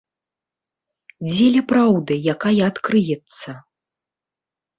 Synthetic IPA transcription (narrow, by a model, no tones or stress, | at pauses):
d͡zʲɛlʲɛpɾawd̪ɨjakajɐːt̪kɾɨjɛt̪sːɐ